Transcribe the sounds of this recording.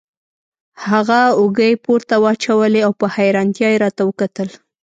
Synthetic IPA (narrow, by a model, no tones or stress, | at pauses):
haɣaʊɡəjpoɾt̪awɑt͡ʃawəleawpəhajɾɑnt̪jɑjeɾɑt̪awəkat̪əl